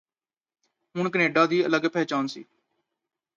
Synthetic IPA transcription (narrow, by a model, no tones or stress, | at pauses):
ɦʊɳkəneːɖaːd̪iːələɡpɛːt͡ʃaːnsḭː